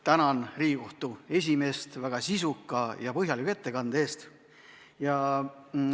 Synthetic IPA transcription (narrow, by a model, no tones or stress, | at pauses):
t̪ænɑnriːko̞ht̪ue̞s̬ʲime̞st̪væɡ̥ɑsisukːˑɑjɑpɤɦjɑlikːˑue̞t̪ːe̞kɑnd̪̥e̞ːst̪ | jɑ